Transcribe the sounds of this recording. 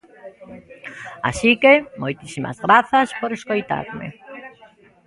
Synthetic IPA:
a̰sikemojt̪isima̰zɣɾaθaspoɾeskojt̪a̰ɾmḛ

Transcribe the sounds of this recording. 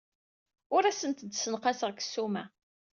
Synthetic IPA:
ʊɾæsənt̪əd̪sənqɑsəʁkə̥sːumæ

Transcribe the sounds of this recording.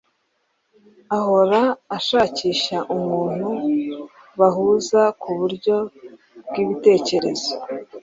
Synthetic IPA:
aho̞ɾaːʃaːciːʃaʔumŋuːn̥hu | βaɦuːzakuβuɾɟo̞ | bɡiːβite̞ːce̞ɾe̞z̥o

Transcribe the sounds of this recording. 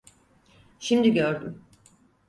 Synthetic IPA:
ʃimd̪iɟøɾd̪ym

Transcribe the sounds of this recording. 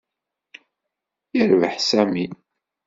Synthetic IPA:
jiɾvəħsæmi

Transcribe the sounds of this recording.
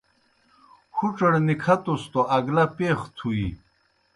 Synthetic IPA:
xʰuʈ͡ʂɐɽnikʰɐt̪ost̪oʔɐɡlɐpeːxt̪ʰuḭ

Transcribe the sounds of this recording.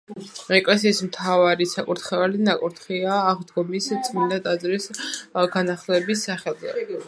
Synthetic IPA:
ɾɛkʼlɛsiːsmt̪ʰavaɾisakʼuɾt̪ʰχɛvalinakʼuɾt̪ʰχiaːʁd̪ɡɔmist̪sʼmind̪ad̪azɾisɡanaχlɛbisːaχɛla̰

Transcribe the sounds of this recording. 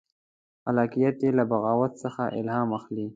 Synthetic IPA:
alɑːkijat̪jelabaɣɑːwat̪səxaʔɪ̰lɦɑːmaxli

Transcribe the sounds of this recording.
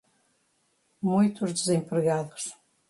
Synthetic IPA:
mũjt̪uʒd̪ɨzẽmpɾɨɣaðuʃ

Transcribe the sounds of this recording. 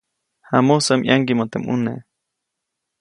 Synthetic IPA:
hamosamʔjʔaŋɡimot̪emʔṵne

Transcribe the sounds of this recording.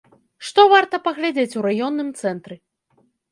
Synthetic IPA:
ʂt̪ɔvart̪ɐpɐɣlʲad͡zʲet͡sʲuɾajɔnːɨmt̪sɛnt̪ɾɨ

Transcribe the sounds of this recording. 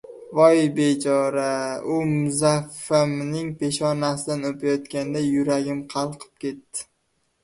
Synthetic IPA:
vɒjbe̞t͡ʃʰɒɾaʊmʊzafamnɪŋpʰe̞ʃɒnasɪd̪anopʰajɒt̪kʲand̪ajʊɾaɡʲɪmqʰɑlˠqʰɨ̥p̚kʲe̞t̪ːɪ̥

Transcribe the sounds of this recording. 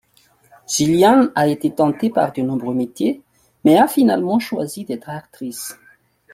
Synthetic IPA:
ʒ̥iljãnaet̪et̪ɑ̃t̪epa̰ʁd̪ənɔ̃bʁømet̪je | mɛafina̰lmɑ̃ʃwa̰zid̪ɛt̪χakt̪χis

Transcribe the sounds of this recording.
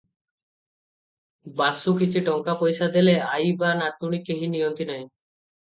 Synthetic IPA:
basukit͡ɕʰiʈɔŋkapojʃad̪eleajbanat̪uɽ̃ikeɦinijont̪inaj

